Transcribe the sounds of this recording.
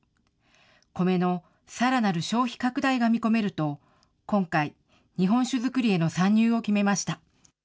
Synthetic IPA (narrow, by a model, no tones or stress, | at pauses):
ko̞me̞no̞ | saɾanaɾɯ̟ɕo̞ːçi̥kakɯ̟d̪aiɡamʲiko̞me̞ɾɯ̟t̪o̞ | kõ̞ŋkai | ɲ̟iɦõ̞ɰ̃ɕɨzɨkɯ̟ɾʲie̞no̞sãɲ̟ːɨːo̞kʲime̞maɕi̥t̪a